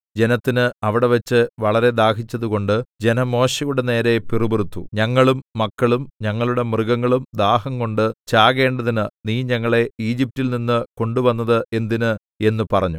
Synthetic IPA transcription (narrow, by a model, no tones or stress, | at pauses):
d͡ʑe̞nɐt̪ːinɨɐʋiɽe̞ʋɐt͡ɕːɨʋɐɭɐɾe̞d̪aːhit͡ɕːɐðuko̞ɳɖɨd͡ʑe̞nɐmo̞ːɕɐjuɽe̞ne̞ːɾe̞pirubirut̪ːuɲɐŋːɐɭumːɐkːɐɭumɲɐŋːɐɭuɽe̞mrɨɡɐŋːɐɭumd̪aːɦɐŋko̞ɳɖɨt͡ɕaːɣe̞ːɳɖɐðinɨniːɲɐŋːɐɭe̞iːd͡ʑip̚tːilninːɨko̞ɳɖuʋɐnːɐðɨʔe̞nd̪inɨ | e̞nːɨpɐrɐɲːu